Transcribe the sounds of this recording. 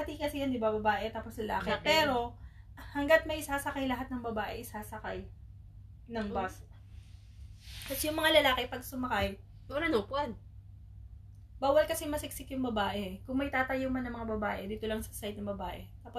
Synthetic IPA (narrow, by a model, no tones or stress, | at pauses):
hɐt̪ihɪŋkɐsɪjɐnd̪ɪbabɐbaːʔɛt̪aːposlɐla̰ːkɛpɛːɾo̞ | hɐŋɡat̪̚mɐjʔɪsaːsɐkajlɐɦat̪̚nɐŋbɐbaːʔɛʔɪsaːsɐkaj | nɐŋba | posjʊŋmɐŋalɐlaːkɪpɐɡ̚sʊmɐkaj | oɾanopɐd̪ | baːwɐlkɐsɛŋmɐsɪksɪkjʊŋbɐbaːʔɛkʊŋmɐjt̪aːt̪ɐjomɐnɐŋmɐŋabɐbaːʔɛd̪iːt̪o̞lɐŋsɐ̥sajd̪nɐŋbɐbaːʔɛt̪aːpo